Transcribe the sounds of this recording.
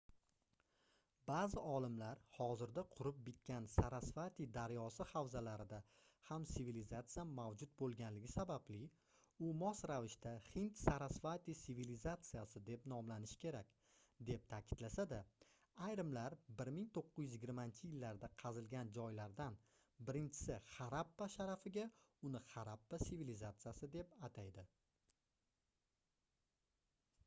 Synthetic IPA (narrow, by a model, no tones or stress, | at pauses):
baːzɪɒlˠɪmlaɾhɒzɪɾd̪aqʰʊɾɪp̚bɪt̪̚kʲansaɾasvat̪id̪aɾjɒsɪhawzalaɾɪd̪a | hamsɪvilizat̪sɨjamawd͡ʒʊt̪̚bolˠɡʲanlɪɡʲɪsabablɪ | ʊmɒsɾavɪʃt̪aχɪnt̪saɾasfat̪isivilizat̪sijasɪd̪e̞pnɒmlanɪʃkʲʰe̞ɾakʲ | d̪e̞p̚t̪ʰakʲʰɪd̪̥lasad̪a | ajɾɪmlaɾbɪɾmɪŋt̪ʰoqːʊɪjʏzjɪɡʲɪɾmaɪnt͡ʃʰɪjɪlːaɾd̪aqʰɑzɪlɡʲand͡ʒɒjlaɾd̪an | bɪɾɪnt͡ʃʰɪ̥sɪχɑɾapːaʃaɾafɪɡʲaʊnɪχaɾapːasivilizat̪sɨjasɪd̪e̞pat̪ʰajd̪ɪ